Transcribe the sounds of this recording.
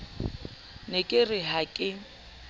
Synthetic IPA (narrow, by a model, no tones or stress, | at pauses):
nekʼɪrɪɦakʼɪ